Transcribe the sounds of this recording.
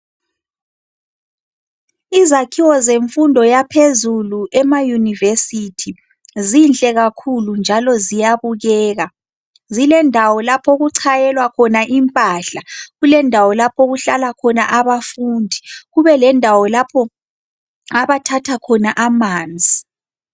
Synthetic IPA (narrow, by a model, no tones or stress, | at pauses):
izakʰiwɔzeɱfundʱɔjapʰezuluʔɛmajunivesitʰi | zint͡ɬʼɛɣakʰulund͡ʒʱalɔzijaβuɣɛːɣa | zilɛndʱawɔlapʰɔɣuǀʰajɛlwakʰɔnaʔimpʼaɬaɣulɛndʱawɔlapʰɔɣuɬalakʰɔna̰ʔaβafuːndʱiɣuβɛlɛndʱawɔlapʰɔ | aβatʰatʰakʰɔnaʔamaːnd͡zʱi